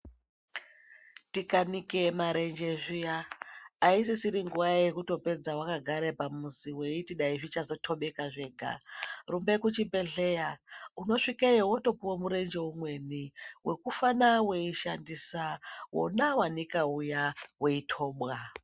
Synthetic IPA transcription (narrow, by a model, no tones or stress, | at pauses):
tikanikemaɾend͡ʒeʐijaː | is̬isiɾiŋɡuʋajekuto̞pe̞d͡zawakaɡʱaɾepamusiwe̞itiɗaiʐit͡ʃazo̞tʰo̞ɓe̞kaʐe̞ːɡʱa̰rumbe̞kut͡ʃibe̞ɮe̞jauno̞ʂikaewoto̞puwomuɾe̞nd͡ʒe̞umwe̞niwʔe̞kufanawe̞iʃandisawo̰nawanikaujawe̞itʰo̞ːɓwa